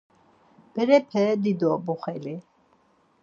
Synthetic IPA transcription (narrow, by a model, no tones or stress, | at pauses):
b̥ɛɾɛpʰɛd̪id̪ɔbuχɛli